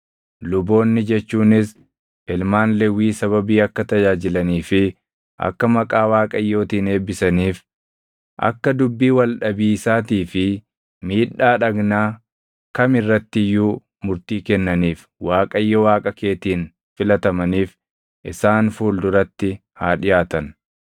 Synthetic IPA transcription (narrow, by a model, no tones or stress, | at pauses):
lʊbo̞ːnːɪd͡ʒɛt͡ʃːuːnɪs | ʔɪlmaːnlɛwiːsɐβɐbiːɐkːɐt̪ɐd͡ʒaːd͡ʒɪlɐniːfɪ | ʔɐ̰kːɐmɐkʼaːwaːkʼɐjːo̞ːt̪iːne̞ːbɪsɐniːf | ʔɐ̰kːɐd̪ʊbːiːwɐlɗɐbiːsaːt̪iːfɪ | miːᶑːaːᶑɐɡnaː | kɐmɪrːɐt̪ːɪjuː | mʊɾt̪iːkɛnːɐniːf | waːkʼɐjːɔwaːkʼɐke̞ːt̪iːn | fɪlɐt̪ɐmɐniːf | ʔɪsaːnfuːld̪ʊɾɐt̪ːɪ | haːᶑɪjaːt̪ɐn